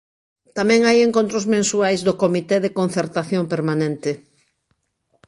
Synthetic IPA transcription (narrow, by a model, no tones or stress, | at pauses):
t̪amɛ̃ŋajeŋkõnt̪ɾozmẽnsuajzðokomit̪ɛðekon̟θeɾt̪aθjompeɾmanẽnt̪ɪ